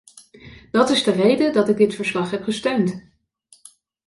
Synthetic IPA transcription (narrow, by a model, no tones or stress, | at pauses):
d̥ɑtɪzdərejdədɑtɪɡ̚dɪtfəɹslɑχɦɛpχəstøɥnt